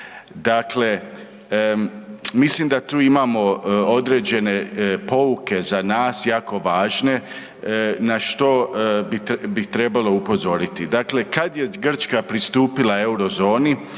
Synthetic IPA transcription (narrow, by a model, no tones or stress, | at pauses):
d̪akle̞ | mislimd̪at̪uːimaːmo̞o̞d̪ɾe̞ːd͡ʑe̞ne̞po̞uke̞zanaːsjaːko̞ʋaːʒne̞ | naʃt̪o̞bibit̪ɾe̞balˠo̞upo̞zo̞ɾit̪id̪akle̞kad̪jeɡr̩t͡ʃkapɾist̪uːpilae̞uɾo̞zo̞ːni